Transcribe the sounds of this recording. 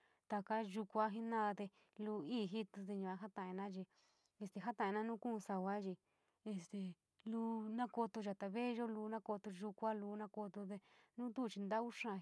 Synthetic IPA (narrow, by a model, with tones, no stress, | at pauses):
t̪a˧ka˦ʒu˧kʷa˦ɦi˦nã˦ða˧t̪e˧ | lu˧iː˦˨ɦi˦t̪u˧t̪̬e˧ɲũ˧a˧ɦa˦t̪ã˧˨ẽ˧nã˦ʒi˧ | e˧st̪e˧ɦa˦t̪ã˨ẽ˧nã˦nũː˦kũ˦˧sa˧wʷa˦t͡ʃi˧ | e˧st̪e˨ | luː˧˦nã˦ko˧t̪o˧ʒa˨t̪a˧βe˦˧ʒo˦luː˧˦˧nã˦ko˧t̪o˧ʒu˧kʷa˦luː˧nã˧˦ko˧t̪o˧t̪̬e˧nũ˦t̪u˦˧t͡ʃi˧nd̪a˦u˦ʂã˧